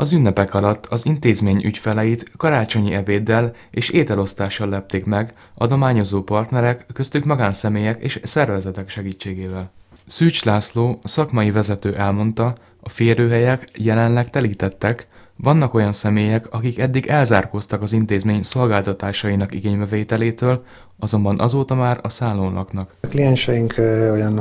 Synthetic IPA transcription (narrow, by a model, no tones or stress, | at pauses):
ɒzynːɛpɛkɒlɒt̪ːɒzint̪eːzmeːɲʔy̰cfɛlɛjit̪kɒɾaːt͡ʃo̞ɲiɛveːd̪ːɛl | eːʃeːt̪ɛlo̞st̪aːʃːɒlːɛp̚t̪eːkmɛɡ | ɒd̪o̞maːɲo̞zoːpɒrt̪nɛɾɛkːøst̪ykmɒɡaːnsɛmeːjɛkḛːʃsɛrvɛzɛt̪ɛkʃɛɡiːt͡ʃːeːɡeːvɛlsyːt͡ʃlaːsloːsɒkmɒjivɛzɛt̪øːʔɛlmo̞nt̪ɒ | ɒfeːɾøːɦɛjɛkjɛlɛnlɛkt̪ɛliːt̪ɛt̪ːɛkʋɒnːɒko̞jɒnsɛmeːjɛkɒkikɛd̪ːiɡɛlzaːrkost̪ɒkɒzint̪eːzmeːɲso̞lɡaːlt̪ɒt̪aːʃɒjinɒkḭɡeːɲbɛveːt̪ɛleːt̪øːl | ɒzo̞mbɒnʔɒ̰zoːt̪ɒmaːɾɒsaːlːoːnlʔɒ̰knɒkklijɛnʃɛjiŋkʰojɒn